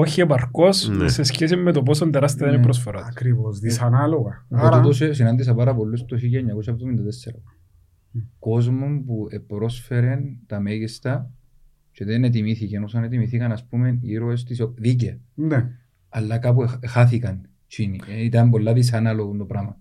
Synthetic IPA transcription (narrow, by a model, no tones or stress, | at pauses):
oçiepɐɾkosse̞sçesimːet̪op̬osont̪eɾɐst̪it̪ɐnipɾos̬foɾokɾivosðisɐnaloɣɐut̪os̬es̬inɐnd̪is̬ɐpɐɾɐpo̞lːust̪oçijɐɲːɐkosɐpt̪omind̪ɐt̪esːeɾɐ | ko̞zmompuepɾo̞sfe̞ɾe̞nt̪ɐmeʝist̪ɐ | t͡ʃeðenet̪̬imiθicenosɐnet̪imiθikɐnɐspume̞niɾoest̪isðic̬iɐn | ɐlːɐkɐp̬uexaθikɐn | t͡ʃiniit̪ɐmbo̞lːɐðis̬ɐnɐlo̞ɣunt̪opɾɐmɐ